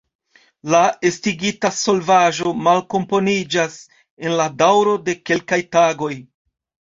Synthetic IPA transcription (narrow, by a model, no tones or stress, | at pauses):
lae̞stiɡitaso̞lvaʒo̞malko̞mpo̞nid͡ʒas | e̞nladawɾo̞de̞ke̞lkajtaɡo̞j